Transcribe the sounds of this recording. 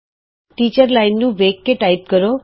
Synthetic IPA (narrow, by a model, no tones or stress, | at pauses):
ʈiːt͡ɕəɾlaɪnːũʋeːkːeʈaɪp̚kəɾo